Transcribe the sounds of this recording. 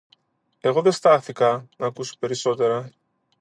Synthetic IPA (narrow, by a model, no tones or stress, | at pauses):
e̞ɣo̞ðe̞st̪ɐθikɐnɐːkuso̥pe̞ɾiso̞t̪e̞ɾɐ